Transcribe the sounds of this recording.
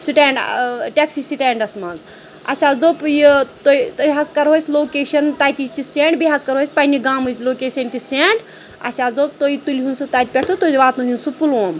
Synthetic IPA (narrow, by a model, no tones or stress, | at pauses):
siʈeːɳɖʈʲeksisiʈeːɳɖɐsmɐnz | ɐ̰sʲaːd̪oːpjit̪ojt̪ɦɐzkɐɾɦoːsʲloːkeːʃɐnt̪aːjt̪isʲt͡ʃiseɳɖbiɦɐzkɐɾɦoːjsʲpɐnʲiɡaːmusʲloːkeːsʲɐntʲiseɳɖ | ɐ̰sʲaːd̪oːp̚t̪ojit̪ulɦunsɨt̪aːjt̪̚pʲeʈʰt̪ut̪oʋaːt̪nuɦinsupuloːm